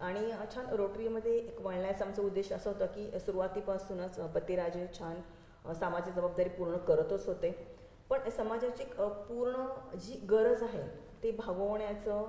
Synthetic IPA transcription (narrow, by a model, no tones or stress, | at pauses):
aɽ̃iət͡ɕʰanɾoʈɾiməd̪ʱːjeʔekʋaɭɳəjat͡samt͡səud̪ːeɕəəsəɦot̪əkisuɾuʋat̪ːipəɳəsuːnət͡sbət̪ːiɾad͡ʑet͡ɕʰan | samad͡ʑad͡zəbab̚d̪aɾiːpuɾɳəkəɾət̪ot͡sɦot̪e | pəɳsəmad͡ʑat͡ɕiekpuɾɳəd͡ʑiːɡəɾəd͡zaɦet̪ebʱaɡəʋɳjat͡sə